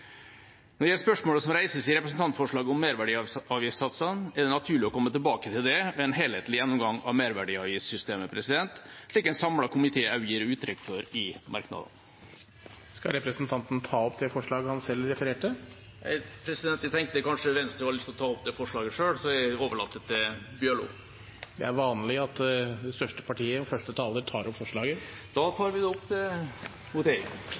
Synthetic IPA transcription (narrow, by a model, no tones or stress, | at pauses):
nɔɖjæspœʂmoːləsɔmɾæɪsəsɪɾɛpɾəs̬n̩t̪ɑnt̪fɔʂɭɑːɡəɔmːeːɾʋæɖiːɑːʋjɪssɑt̪sənæɖɛnɑt̪ʰʉːɭɪɔkʰɔmːət̪ɪlbɑːkət̪ʰɪld̪ɛʋɛɛnɦeːlheːt̪lɪjɛnːʊmɡɑŋɑ̰ʋmeːɾʋæɖiːɑːʋjɪssʏst̪eːməpʰɾɛsɪd̪ɛnt̪ʂɭiːkæɪnsɑmɽɑkʰʊmɪt̪ʰeːɑʉjiːɾɔʉːt̪ʰːɾɛkːfɔɾɪmɑ̰ɾknɑ̰d̪ə̰n | skɑ̰ɾɛpɾəsnt̪ʰɑnt̪nt̪ʰɑːɔpd̪ɛfɔʂɭɑːɡhɑnsɛlːɾɛfəɾeːʈə | æ̰ɪpʰɾɛsɪd̪ɛnt̪ːət̪ʰɛŋk̚t̪əkɑnʂəʋɛnst̪ɾəʋɑɭɪst̪ːɔt̪ʰɑːɔp̚d̪ɛfɔʂɭɑːɡəʂøːɽsɔæoːʋəɭɑt̪ːət̪̚ɛbjøːɭʊ̰ | d̪ɛ̰æɾʋɑːnlɪɑt̪d̪ɛst̪œʂʈəpʰɑʈʰiːəɔfœʂʈət̪ʰɑːləɾt̪ʰɑːɾɔpfɔʂɭɑːɡəd̪̥ɑːt̪ʰɑːɾʋɪd̪ɛɔpt̪ʰɪ | hʊt̪ḛː